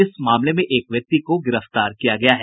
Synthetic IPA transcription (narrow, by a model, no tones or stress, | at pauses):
ɪsmaːmlemẽʔeːkʋjɐk̚t̪ikoɡɪɾəft̪aːɾkijaɡɐjaɦɛː